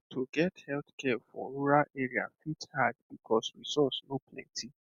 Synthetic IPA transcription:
tʰoɡɛthɛltkɛfɔ̰ɔɾuɾaʔʔeɾia̰fithad̚b̥ikʰɔsɹisɔsnõpʰlɛ̰̃ntʰi

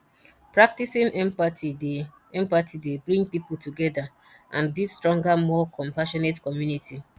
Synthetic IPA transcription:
pɹak̚tisĩnmpati | ɛ̃mpatidebɾĩŋɡpipultuɡɛda | ʔãnbistɹɔ̃ŋɡamɔkʰɔ̃mpaʃɔnetkɔmjuniti

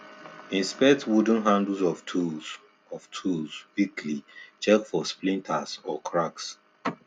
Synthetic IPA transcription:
ĩnspɛtwudə̃nɦãndl̩zɔftʰus | ɔvtʰuzwikʰlit͡ʃɛkfɔsplĩntʰasɔkʰɹaks

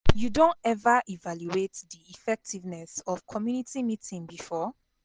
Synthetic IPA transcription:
judõntɛvaʔivaljuetðiifɛk̚tʰivnɛsɔv̥kʰɔmjunitimitĩŋbifɔ

